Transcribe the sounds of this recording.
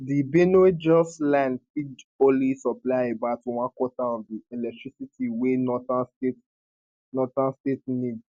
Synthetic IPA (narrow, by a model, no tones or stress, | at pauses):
dibenued͡ʒɔslãndpidõlisɔplaɪebaʊtwãnkwɔtaɔ̃ndiɛlɛk̚tʰɹ̥isitʰiwenɔtastet | nɔtãnstetnids